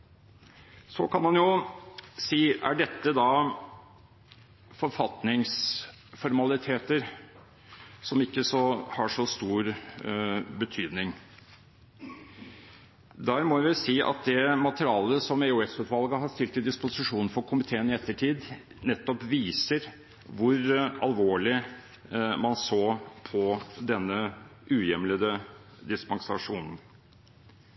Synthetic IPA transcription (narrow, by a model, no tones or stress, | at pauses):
sɔ̰kʰɑnmɑnjʊ | siːæɖɛt̪ːəd̪ɑ | fɔɾfɑt̪nɪŋs | fɔɾmɑlɪt̪ʰeːt̪əɾ | sɔmɪkːəsɔhɑʂɔst̪uːɾ | bət̪ʰyːd̪nɪŋ | d̪æːɾmɔʋɪsiːʔɑ̰t̪̚d̪ɛmɑt̪əɾɪɑːləsɔmɛʊɛsʉːt̪ʋɑlɡəɦɑɾʂt̪ɪlt̪ɪd̪ɪspʊsɪʂuːnn̩fɔɾkʰʊmɪt̪ʰeːənɪɛt̪ːəʈʰiːd̪ | nɛt̪ːɔpʋiːsəɾ | ʋʊɾɑ̰lʋoːɭɪ | mɑnsoːpʰɔd̪ɛnːəʔʉːjɛmləd̪ə | d̪ɪspɑŋsɑ̰ʂuːnn̩